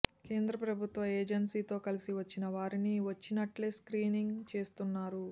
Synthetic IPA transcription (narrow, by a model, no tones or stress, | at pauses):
ke̞ːnd̪ɾɐpɾɐbʱut̪ʋɐeːd͡ʒɐnsiːt̪o̞ːkɐlisiʋɐt͡ʃːinɐʋaːɾiniʋɐt͡ʃːinɐʈleskɾiːniŋɡt͡ʃe̞ːst̪unːaːɾu